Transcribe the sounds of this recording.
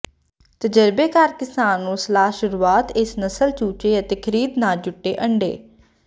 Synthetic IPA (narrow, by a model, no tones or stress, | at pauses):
t̪əd͡ʒəɾbeːkaɾkɪsaːnːũːsəlaːɦʃʊɾuːaːt̪ɪsnəsəlt͡ʃuːt͡ʃeːət̪eːkʰəɾiːd̪naːd͡ʒʊʈːeːʔəɳɖḛː